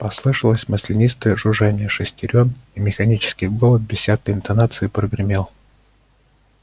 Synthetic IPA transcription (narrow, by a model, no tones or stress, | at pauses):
pɐslˠɨʂəlˠəsʲmɐsʲlʲɪnʲist̪əʐʊʐanʲɪjəʂɨsʲtʲɪɾʲonimʲɪxɐnʲit͡ɕɪ̥skʲɪjɡolˠət̪̚bʲɪsʲsʲakəɪnt̪ɐnat̪sɨɪpɾəɡɾʲɪmʲelˠ